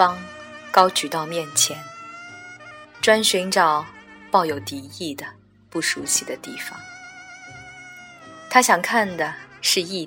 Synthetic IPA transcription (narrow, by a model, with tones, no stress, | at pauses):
ɑ˥ŋkɑ˥ʊt͡ɕy˨˩t̪ɑ˥˧ʊmjɛ˥˩nt͡ɕʰjɛ˧˥n | ʈ͡ʂwa˥nɕi˧˥ŋʈ͡ʂɑ˨˩˦ʊpɑ˥˩ʊjo˨˩ʊt̪i˧˥i˥˩d̪ə˩ | pu˥˩ʂu˧˥ɕi˥˩d̪ə˩t̪i˥˩fɑ̰˩ŋ | t̪ʰa˥ɕjɑ˨˩ŋkʰa˥˩nd̪ə˩ʂɻ̩˥˧i˥˩